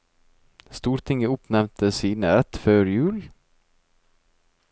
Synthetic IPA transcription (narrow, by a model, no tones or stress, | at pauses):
st̪uːɾt̪ʰɪŋːəʊpnɛmt̪ʰəsiːnəɾɛt̪føːɾjʉ̟ːlɪ